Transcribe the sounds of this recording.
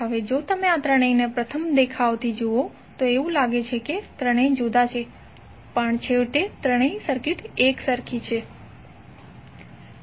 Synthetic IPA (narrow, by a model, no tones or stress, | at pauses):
ɦəʋed͡ʒot̪əmeat̪ɾəɳ̃əjnepɾət̪ʰəmd̪ekʰaʋt̪ʰid͡ʒoo | t̪oeʋũlaɡet͡ʃʰeket̪ɾəɽ̃əjd͡ʒod̪at͡ʃʰe | pəɳt͡ʃʰeʋʈet̪ɾəɽ̃əjsəɾkɪʈeksəɾkʰit͡ʃʰe